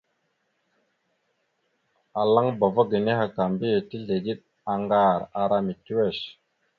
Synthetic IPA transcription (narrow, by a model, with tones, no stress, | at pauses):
a˨la˦ŋba˨va˦ɡi˨ne˦ɦa˨ka˨mbi˦˨ti˦ɮe˨ɡi˦ɗ̚ | a˨ŋɡa˦˨ɾa˨ɾa˦mi˨tu˦we˦˨ʃ